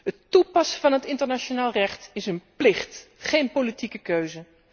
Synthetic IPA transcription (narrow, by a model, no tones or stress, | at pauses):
ɦətupɑsəvɑnɦətɪntəɹnaʃonaːlˠrɛχtɪsənplɪχtχejnpolitikəkøɥzə